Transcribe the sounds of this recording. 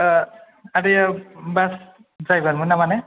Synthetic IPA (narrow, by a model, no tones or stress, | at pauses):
aɹibas | zajbanmunamanɛ